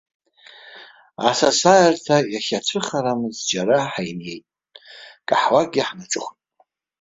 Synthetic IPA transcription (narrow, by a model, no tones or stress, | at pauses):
asasajartʰajaχʲat͡ʃʷʰɨχaɾamɨzd͡ʒaɾaħajnjejtʼ | kʼaħwaɡʲiħnaʈ͡ʂʼɨχʷ